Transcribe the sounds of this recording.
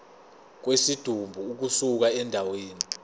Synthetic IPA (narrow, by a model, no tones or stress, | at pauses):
k̬wesid̥ʱumbʱuːk̬usuk̬aɛndʱaweːni